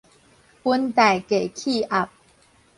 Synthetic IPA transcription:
ə˦nt̪a˨˩ɪke˨˩ɪkʰi˥˧ʔa˦˨˩p̚

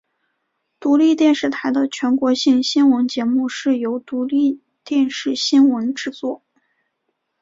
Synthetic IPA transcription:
t̪u˧˥li˥˧t̪jɛ˥˧nʂɻ̩˥˩t̪ʰa˧˥ɪd̪ə˧t͡ɕʰɥɛ˧˥nkwɔ˧˥ɕi˥˩ŋɕi˥nwə˧˥nt͡ɕjɛ˧˥mu˥˧ʂɻ̩˥˩jo˧˥ʊt̪u˧˥li˥˧ | t̪jɛ˥˧nʂɻ̩˥˩ɕi˥nwə˧˥nʈ͡ʂɻ̩˥˧t͡swɔ˥˩

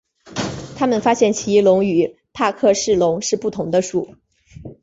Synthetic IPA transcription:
t̪ʰa˥mə˨nfa˥ɕjɛ˥˩nt͡ɕʰi˧˥lʊ˧˥ŋy˨˩˦ | pʰa˥˧kʰɤ˥˧ʂɻ̩˥˩lʊ˧˥ŋʂɻ̩˥˧pu˥˩t̪ʰʊ˧˥ŋd̪ə˧ʂu˥˨˩

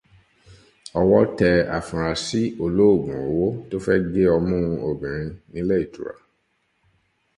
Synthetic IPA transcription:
ɔ˧wɔ˦tɛ˧a̰˨fũ˨ɾa˨si˦o˧lo˦o˦˨ɡũ˨wo˦to˦fɛ˦ɡe˦ɔ˧mũ˦˧o˨bĩ˨ɾ̃ĩ˧nĩ˦le˦i˦˨tṵ˨ɾa̰˨

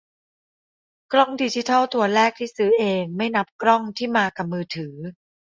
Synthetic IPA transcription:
kɾɔ˥˩ŋdiː˧t͡ɕi˦˥t̪ʰa˥˩t̪ʰu˧ɐɾɛː˥˩k̚t̪ʰiː˥˩sɯː˨˦˥ʔeː˧ŋma˥˩jna˦˥p̚kɾɔ˥˩ŋt̪ʰiː˥˩maː˧ka˨˩p̚mɯː˧t̪ʰɯː˩˦

